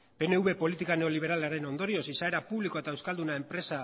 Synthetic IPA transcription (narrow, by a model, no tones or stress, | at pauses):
pe̞ne̞uβe̞po̞lit̪ikaneo̞liβ̞e̞ɾalaɾe̞no̞nd̪o̞ɾiosisae̞ɾapuβliko̞e̞t̪aewskald̪unae̞mpɾe̞sa